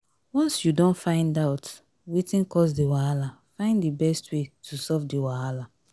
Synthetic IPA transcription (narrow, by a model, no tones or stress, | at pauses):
wɔ̃nsjudõnfãɪ̃ndaʊt | witĩnkɔsdiwaalafãɪ̃ndibɛstwetʰusɔvdiwaala